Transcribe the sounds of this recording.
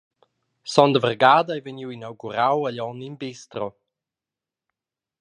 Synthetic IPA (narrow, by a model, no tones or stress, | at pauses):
sɔndəvərɡaːdajveniwinawɡuɾawəʎɔninbestrɔ